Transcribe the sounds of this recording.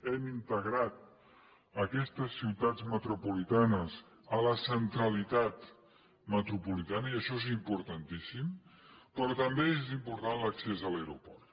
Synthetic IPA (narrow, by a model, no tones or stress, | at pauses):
ɛmint̪əɣɾat̪̚ | əkɛst̪əsːiwt̪ad͡zmət̪ɾupulit̪anəz | ələsənt̪ɾəlit̪at̪ | mət̪ɾupulit̪anəiəʃɔezimpuɾt̪ənt̪isimpɾɔt̪əmbeezimpuɾt̪anləksezələwɾṵpɔrt̪